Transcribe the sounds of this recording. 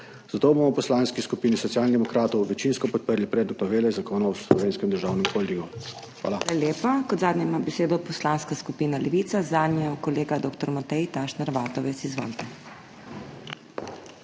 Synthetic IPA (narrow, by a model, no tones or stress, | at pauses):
z̥at̪oːbomɔpɔslaːnskiskupiːnisɔt̪sjaːlnid̪ɛmɔkɾaːt̪ɔwʋɛt͡ʃinskɔpɔt̪̚pəɾlipɾeːd̪nɔt̪nɔʋeːlɛzakoːnawslɔ̰ʋeːnskɛmd̪əɾʒaːwnɛmkolʲd̪iɡu | xʋa̰ːlalaljeːpakɔd̪zaːd̪nɲɛmabɛseːd̪ɔpɔslaːnskaskupiːnalɛʋiːt̪sazaːd̪njkɔleːɡad̪oːkt̪ɔɾmat̪ɛjt̪aːʃnaɾʋaːt̪ɔʋɛt̪sizʋɔ̰lt̪ɛ